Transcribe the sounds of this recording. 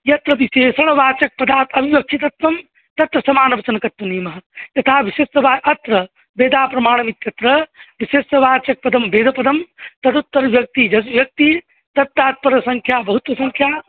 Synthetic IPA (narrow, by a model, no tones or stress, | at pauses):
jɐt̪ɾɐʋiseːsɐɽɐʋaːt͡ʃɐk̚pɐd̪aːt̪ɐbʱiʋɐk̚t͡ʃʰit̪ɐt̪ʋɐm | t̪ɐt̪ɾɐsɐmaːnɐbɐt͡ʃɐnɐkɐt̪ʋɐneːmɐɦɐjɐt̪ʰaːʋiʃestɐʋaːʔɐt̪ɾɐ | beːd̪aːpɾɐmaːɽ̃ɐmit̪jɐt̪ɾɐʋiʃesɐʋaːt͡ʃɐk̚pɐd̪ɐmbeːd̪ʱɐpɐd̪ɐmt̪ɐt̪ut̪ːɐɾʋjɐk̚t̪id͡ʒɐsʋjɐk̚t̪i | t̪ɐt̪ːaːt̪̚pɐɾɐsɐŋkʰjaːbɐɦut̪ʋɐsɐŋkʰjaː